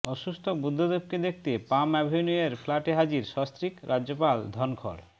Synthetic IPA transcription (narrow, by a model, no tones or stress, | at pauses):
ɔʃusʈ̪ʰobud̪ʱːod̪eb̚ked̪ek̚ʰt̪epamɛbʱojnueɾfʰlaʈeɦad͡ʑiɾʃɔst̪ɾikɾʔad͡ʑːopald̪ʱɔnkʰo̰ɽ